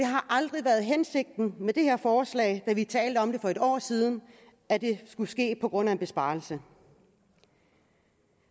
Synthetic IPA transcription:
d̥e̝ɦɑ̈ʔɑ̈ld̥ʁiʋæːɐð̞̩ˠɦense̝ɡ̥̚d̥n̩med̥e̝he̝ɐfɒːslɛ̰ːɪd̥æʋit͡sʰɛ̰ːld̥əɒ̽md̥e̝fɒ̽e̝ɾ̥ɒ̰ːsiːð̞ˠn̩ | æd̥e̝sɡ̥usɡ̥e̝̰ːpʰɒ̽ɡ̥ʁɔ̽n̰æeb̥e̝sb̥ɑ̈ːl̩sə

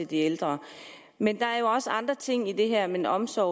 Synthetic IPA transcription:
e̝ld̥ield̥ʁɐ | mend̥ɑ̈æɐjo̝ɒ̽səɑ̈nd̥ʁɐt͡sʰe̝ŋ̰id̥e̝ɦæɐ̰menɒ̽msɒ̰ː

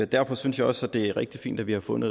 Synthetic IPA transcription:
ed̥æɐfɒ̽synsjɑ̈ɪɒ̽sæd̥e̝æʁeɡ̥̚d̥ifḭːnd̥æʋihɑ̈fɔ̽nð̩ˠ

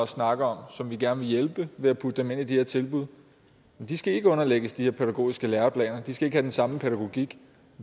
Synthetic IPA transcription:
ɒsːnɑ̈ɡ̥əɒ̽msɒ̽mʋiɡ̥æɐnəʋe̝jelb̥əʋe̝æpʰud̥əd̥eme̝n̰id̥ihe̝ɐt͡sʰe̝lb̥uðˠ | mend̥isɡ̥æe̝ɡ̥əɔ̽nɐleɡ̥əsd̥ihe̝ɐpʰeɾæɡ̥o̝̰ːisɡ̥əleːɐpʰlɛ̰ːnɐd̥isɡ̥æe̝ɡ̥əhæd̥ensɑ̈məpʰeɾæɡ̥o̝ɡ̥iɡ̥

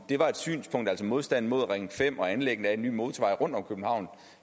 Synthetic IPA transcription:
d̥e̝ʋɑ̈e̝d̥sy̰ːnspʰɔ̽ŋ̰d̥æl̰sɒmo̝ð̞ˠsd̥æn̰n̩mo̝ð̞̰ˠʁeŋn̩fem̰ɒ̽ænleɡ̥n̩æe̝nːy̰ːmo̝ːðˠt͡sʰʋɑ̈ɪ̰ʁɔ̽n̰d̥ɒ̽mkʰøb̥n̩hɑ̈ʊ̰nð̩ˠ

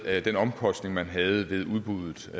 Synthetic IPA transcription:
d̥enɒ̽mkʰɒ̽sd̥ne̝ŋmænɦæð̩ˠəʋe̝ð̞ˠuðˠb̥uðˠð̩ˠ

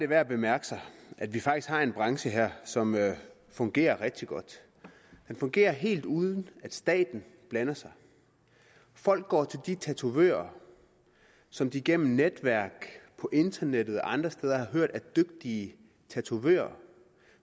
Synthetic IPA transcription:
d̥e̝ʋæɐæb̥e̝mæɐɡ̥ə̥sɑɪʔæd̥ʋifɑ̈ɡ̥isɡ̥hɑ̈e̝nb̥ʁɑ̈ŋɕəɦeɐ̰sɒ̽mø | fɔ̽ŋɡ̥e̝̰ːɐʁɛɡ̥̚d̥iɡ̥ɒ̽d̥ | d̥enfɔ̽ŋɡ̥e̝̰ːɐɦe̝̰ːld̥uːðˠən̩æd̥sd̥ɛ̰ːd̥n̩b̥lænɐsɑ̈ɪ | fɒ̽l̰ɡ̥̚ːɒ̰ːt͡sʰe̝ld̥it͡sʰæt͡sʰuʋø̰ːɐ | sɒ̽md̥iːɡ̥en̰m̩ned̥ʋæɐ̰ɡ̥pʰɒ̽ʔe̝nd̥ɐned̥ð̩ˠɒ̽ʔɑ̈nd̥ʁɐsd̥eːð̞ˠɐhɑ̈ɦøɐ̰d̥æɐd̥øɡ̥̚d̥iə | t͡sʰæt͡sʰuʋø̰ːɐ

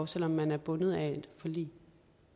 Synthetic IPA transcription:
ʊsel̰ɒ̽mːænæɐb̥ɔ̽nəð̞̩ˠæd̥fɒ̽lḭː

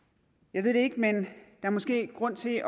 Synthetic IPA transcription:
jɑ̈ʋe̝ð̰ˠd̥eeɡ̥mend̥ɑ̈æɐmɒ̽sɡ̥e̝̰ːɡ̥ʁɔ̽n̰t͡sʰe̝

